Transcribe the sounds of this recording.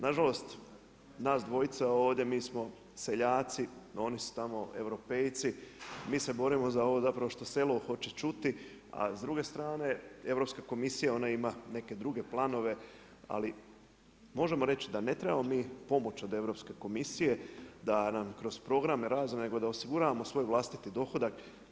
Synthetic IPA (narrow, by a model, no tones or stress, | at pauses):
naʒalo̞st̪ | naːsd̪ʋo̞jit̪sao̞ːʋd̪je̞miːsmo̞ | se̞ʎaːt̪sio̞nisu̥t̪amo̞e̞̰ʋɾo̞pe̞jt̪simiːse̞bo̞ɾimo̞zao̞ʋo̞zapɾaʋo̞ʃt̪o̞se̞loxo̞t͡ʃet͡ʃut̪i | a̰zd̪ɾuɡe̞st̪ɾaːne̞e̞ʋɾo̞pskako̞misijao̞naimane̞ke̞d̪ɾuɡe̞plˠano̞ʋe̞ | a̰li | mo̞ʒe̞mo̞ɾe̞t͡ɕid̪anet̪ɾe̞bamomiːpo̞mo̞t͡ʃo̞d̪e̞ʋɾo̞pske̞ko̞misije̞d̪anamkɾo̞z̥pɾo̞ɡɾameɾazone̞ɡo̞d̪aosiɡuɾaʋamo̞sʋo̞ːjʋlˠast̪it̪id̪o̞xo̞d̪ak